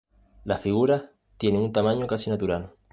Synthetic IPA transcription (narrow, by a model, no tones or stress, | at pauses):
lafiɣ̞uɾa | t̪je̞neunt̪amãɲokasinat̪uɾal